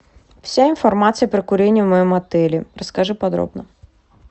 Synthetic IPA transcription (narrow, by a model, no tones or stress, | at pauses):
fsʲainfɐrmat̪sɨjɐpɾɪkʊɾʲenʲːivmɐjɔmɐt̪ɛlʲirəskɐʐɨpɐd̪ɾɔ̰bnɐ